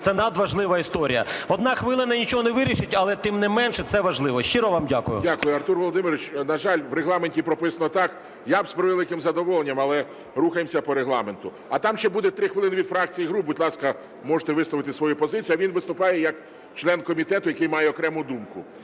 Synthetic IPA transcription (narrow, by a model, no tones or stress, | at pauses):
t̪sɛnɐd̪ʋɐʒlˠɪʋɐist̪ɔɾʲijɐɔd̪̚nɑxʋɪlˠɪnɐnʲit͡ʃɔɦɔneʋɪɾʲiʃɪtʲɐlˠɛt̪ɪmnɛmɛnʃɛtsɛʋɐʒlˠɪʋɔʃt͡ʃɪɾɔʋamdʲakʊjʊ̰dʲakʊjʊɐrt̪urʋɔlˠɔd̪ɪmɪɾʲʋʲɪt͡ʃnɐʒɑlʲʋɾeɦlˠɑmenʲtʲipɾɔpɪsɐnɔt̪ɑk | jabspɾɪʋelˠɪkɪmzɐd̪ɔʋɔlˠenʲːɐmɐlˠɛ | ruxɐjemsʲɐpɔɾeɦlˠɑ̰ment̪ʊ | ɐt̪ɑmʃt͡ʃɛbud̪et̪ɾɪxʋɪlˠɪnɪʋʲid̪fɾɑk̚t͡sʲijiɦɾubut̪ʲlˠɑskɐ | mɔʒe̥t̪ɛʋɪslˠɔʋɪt̪ɪsʋɔjupɔzɪt͡sʲjɐʋʲinʋɪst̪ʊpɑjɛjɐk | t͡ʃlˠɛnkɔmʲit̪ɛt̪ʊjɐkɪjmɑjɛɔkɾɛmʊd̪umkʊ